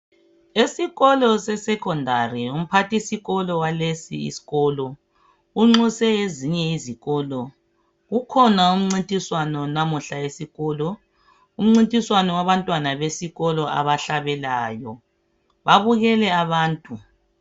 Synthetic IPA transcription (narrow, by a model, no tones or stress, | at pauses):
esiɣɔlɔsɛsɛkʰɔndʱarium̩pʰatʰisiɣɔlɔwalesiḭsi̥ɣɔːlɔ | uŋ͡ǁusɛeziɲɛiziɣɔːlɔ | ɣukʰɔnaum̩ŋ͡ǀintʼiswanɔnamuɬaesiɣɔːlɔ | um̩ŋ͡ǀintʼiswanɔwaβantʼwanaβesiɣɔlɔa̰βaɬaβɛlaːjɔ | βaβuɣɛlɛaβaːntʼu